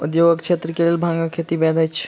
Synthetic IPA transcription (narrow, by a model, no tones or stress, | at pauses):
ṵd̪joɡəkt͡ʃʰet̪ɾəkelelbʱãŋɡakʰet̪ibɛd̪ʱajt͡ʃʰ